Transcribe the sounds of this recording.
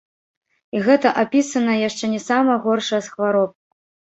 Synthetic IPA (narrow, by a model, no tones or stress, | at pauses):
iɣɛt̪ɐʔapʲisɐnɐjaʂt͡ʂɛnʲɛsamɐɣɔrʂɐjɐsxvaɾɔp̚k